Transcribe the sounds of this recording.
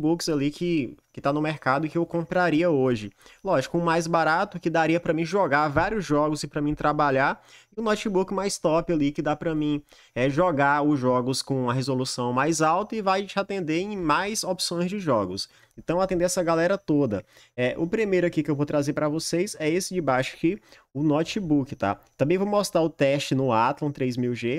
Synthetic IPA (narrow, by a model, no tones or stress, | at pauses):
bukz̥alikʰɪkɪt̪anʊmeɾkad̪ʊɪkɪewkõpɾaɾiɐoʒɪlɔʒɪkʊʊmajzbaɾat̪ʊkɪd̪aɾiɐpɾɐmĩʒɔɡaɾvaɾiʊzʒɔɡʊzɪpɾɐmĩt̪ɾabaʎaɾɪʊnɔt͡ʃibukɪmajst̪ɔpɪalikɪd̪apɾɐmĩ | ɛʒɔɡaʊzʒɔɡʊskõɐɦezolusɐ̃w̃majzawt̪ɐɪvajt͡ʃat̪ẽnd̪eẽj̃majzopsõj̃zd͡ʒɪʒɔɡʊs | ẽnt̪ɐ̃w̃at̪ẽnd̪eɛsɐɡalɛɾɐt̪od̪ɐ | ɛʔʊpɾimejɾʊakikɪewvowt̪ɾazeɾpɾɐvosejsɛesɪd͡ʒɪbajʃʊ̥kɪ | ʊnɔt͡ʃibukɪt̪a̰t̪ɐ̃mbẽj̃vowmɔst̪ɾaɾʊt̪ɛst͡ʃɪnʊat̪lɐ̃w̃t̪ɾejzmiwʒe